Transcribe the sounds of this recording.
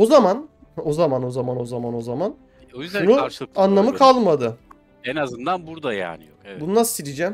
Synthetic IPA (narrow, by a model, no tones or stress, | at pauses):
ozaman | ho̞zamano̞zamano̞zamano̞zaman | ojyzbd̪æunuɯanlˠamɯkʰalˠmad̪ɯ | enazɯnd̪anbuɾd̪aja̰ːnɪ | bununasɯ̥siɾid͡ʒæm